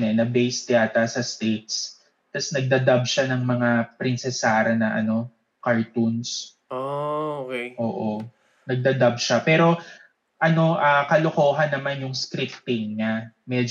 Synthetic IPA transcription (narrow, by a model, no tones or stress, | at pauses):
nɛnɐbɛjst̪ɪaːt̪ɐsɐst̪iks | t̪ɐsnɐɡ̚d̪ɐd̪ɐb̚ʃanɐŋmɐŋapɾɪnsɛsaːɾɐnɐʔɐ̰no̞ | kɐɹt̪uns | ookɛʔo̰ːʔo̞ | nɐɡ̚d̪ɐd̪ɐb̚ʃapɛːɾo̞ | ʔɐno̞ʔakɐloko̞ːɦɐnːɐmanjʊŋskɾɪpt̪ːɪŋɲamɛd͡ʒ